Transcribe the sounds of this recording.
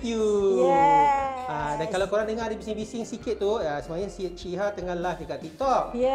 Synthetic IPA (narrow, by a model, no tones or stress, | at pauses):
ju | adankalawkoɾaŋt̪əŋaʔdibisɪŋbisɪŋsikɪt̪̚t̪ːuasəmajasit͡ʃiɦat̪əŋalad̪ikaʔt̪it̪ɔʔ̚